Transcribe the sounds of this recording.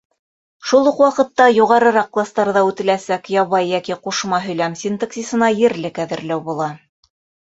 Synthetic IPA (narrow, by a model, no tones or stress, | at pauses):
ʃulˠuqwɑqɤ̆t̪ːɑjuʁɑɾɤ̆ɾɑq̚klˠɑst̪ɑɾðɑʉt̪ɘ̆læsækjɑβɑjːækiquʃmɑɦɵ̆jlæmsʲint̪aksʲisɤ̆nɑjɘ̆ɾlɘkæðɘ̆ɾlæwbulˠɑ